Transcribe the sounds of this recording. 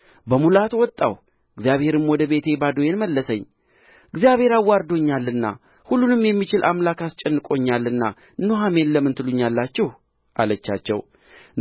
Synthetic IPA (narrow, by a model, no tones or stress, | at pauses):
bəmulat̪wɔt̪ʼːa̰w | ɨɡzijaβhe̞ɾɨmwɔd̪əβe̞t̪ʰe̞bad̪ojenməlːəsəɲː | ɨɡzijaβhe̞ɾawːaɾd̪o̞ɲːalːɨnːa̰ | hulːunɨmjɛmːit͡ʃɪlʔa̰mlakast͡ʃʼɛnːɨkʼo̞ɲːalːɨnːa | ɨnːoɦame̞nləmːɨnt̪ʰɨluɲːalːat͡ʃːɛh | ʔa̰lət͡ʃːa̰t͡ʃːɛ̰w